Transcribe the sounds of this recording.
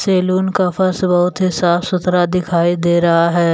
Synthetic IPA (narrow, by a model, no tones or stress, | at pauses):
seːluːnkafɐɾsbɐɦʊt̪ɦɪsaːfsʊt̪ɾad̪ɪkʰaːid̪eːɾɐɦaɦɛː